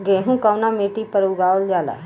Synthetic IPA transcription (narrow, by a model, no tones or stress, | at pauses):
ɡeːɦũkaːnameːʈipəɾuɡaːold͡ʒaːla̰ː